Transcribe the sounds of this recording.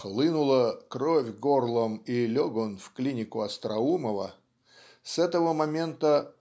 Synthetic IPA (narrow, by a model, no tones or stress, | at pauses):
xlˠɨnʊlˠəkɾovʲɡorlˠəmilʲoɡonfklʲinʲɪkʊɐst̪ɾɐuməvə̰ | sɛt̪əvəmɐmʲe̞nt̪ə